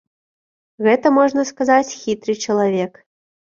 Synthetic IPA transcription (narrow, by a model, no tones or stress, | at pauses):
ɣɛt̪ɐmɔʐnɐskazat͡sʲxʲit̪ɾɨt͡ʂɐlˠavʲɛk